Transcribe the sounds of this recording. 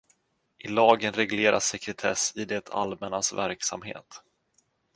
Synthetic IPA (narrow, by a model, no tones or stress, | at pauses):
ʔɪlɑːɡənɾɛɡleːɾasɛkɾɛt̪ʰɛ̰sɪd̪ɛt̪ʰa̰lmɛnasvæɾksa̰mɦḛːt̪